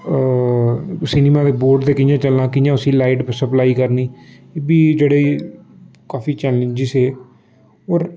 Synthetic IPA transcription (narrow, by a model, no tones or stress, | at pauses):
sɪniːmaːd̪eːboːɾɖd̪eːkɪjãːt͡ʃəlnãːkɪjãːʊsĩːlaːiʈpəsəplaːiːkəɾniː | biːd͡ʒeːɽeː | kaːfiːt͡ʃɛːlə̃nd͡ʒɪseː | oːɾ